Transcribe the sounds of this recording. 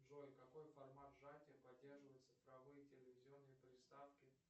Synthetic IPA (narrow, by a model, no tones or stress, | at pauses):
ʐojkɐko̞jfɐrmat̪ʐatʲɪjəpɐddʲːe̞rʐɨvəjɪt̪sɨ̥fɾɐvɨjətʲɪlʲɪvʲɪzʲɪo̞nːɨjəpɾʲɪst̪afkʲɪ